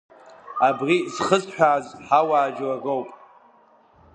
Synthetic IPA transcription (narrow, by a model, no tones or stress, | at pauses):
abrizχəzħʷᶣaːzħawaːd͡ʒwaɡowpʼ